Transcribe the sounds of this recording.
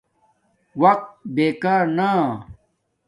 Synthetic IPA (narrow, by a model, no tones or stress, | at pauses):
wɐq̚t̪̚beːkaːɾna